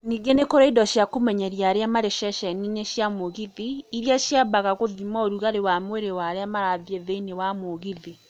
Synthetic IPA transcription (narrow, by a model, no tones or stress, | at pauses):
niɡenekoɾaidɔʃjakomɛɲɛɾjaɾeamaɾeʃɛʃɛnineʃjamoɣiðiːɾiaʃjabaɣaɣoðimaoɾuɣaɾewamweɾewaɾeamaɾaðiɛðeinewamoɣiði